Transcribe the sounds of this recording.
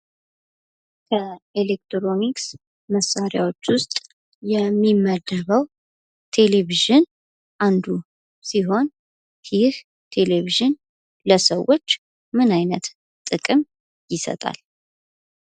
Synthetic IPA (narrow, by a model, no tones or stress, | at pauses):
kʰəelek̚t̪ɾo̞niks | məsːaɾja̰wo̞t͡ʃːwʊst̪ʼ | jɛmːimːəd̪əβəw | t̪ʰe̞le̞βiʒɨn | ʔand̪u | siɦo̞n | jɪh | t̪ʰe̞le̞βiʒɨn | ləsəwːo̞t͡ʃː | mɨnajnət̪ | t̪ʼɨkʼɨm | jɪsə̰t̪ʼa̰l